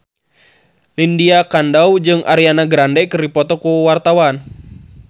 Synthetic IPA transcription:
lindiakandaud͡ʒɨŋʔa̰ɾianaɡɾandɛkɨrdipɔt̪ɔkuwart̪awan

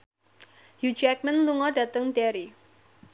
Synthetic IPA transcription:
jud͡ʒɛk̚mənluŋɔɖa̤t̪əŋdɛɾi

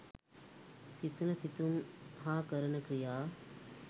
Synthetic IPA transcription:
sit̪nɐsit̪umɦãːkɐɾɐnɐkɾijaː

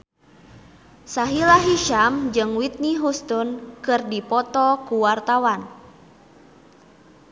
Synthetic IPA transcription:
saɦilaɦiʃamd͡ʒɨŋwit̪̚niɦust̪unkɨrdipɔt̪ɔkuwart̪awan

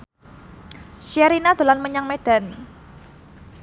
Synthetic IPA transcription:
ʃiaɾinad̪̥o̤lanməɲaŋmed̥a̤n

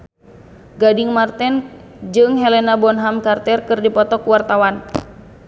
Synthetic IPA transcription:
ɡadɪŋmart̪ɛn | d͡ʒɨŋɦɛlɛnabɔnɦamkart̪ɛrkɨrdipɔt̪ɔkuwart̪awan

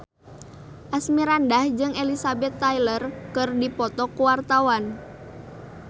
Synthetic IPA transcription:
ʔasmiɾandahd͡ʒɨŋelisabɛt̪ːajlərkɨrdipɔt̪ɔkuwart̪awan

